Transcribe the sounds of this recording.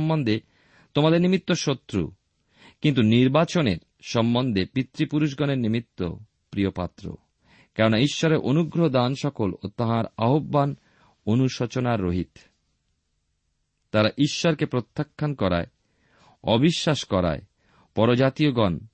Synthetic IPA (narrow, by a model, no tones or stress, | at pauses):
mbond̪e | t̪omad̪eɾnimit̪ːoʃot̪ːɾṵ | kint̪̬uniɾbat͡ɕoneɾ | ʃɔmbond̪ʱepɾit̪ːɾipuɾuʃ̬ɡɔneɾnimit̪ːo̰ | pɾijopa̰t̪ːɾo̰ | kɛɾonaiʃːɔɾeɾʔonuɡɾoɦod̪anʃɔkolot̪aɦaɾaɦobːan | onuʃot͡ɕonaɾːoɦit̪ | t̪aɾaʔiʃːɔɾkepɾot̪ʰːakʰːankɔɾa̰e | ɔbiʃːaʃkɔɾa̰e | pɔɾod͡ʑat̪ioɡɔn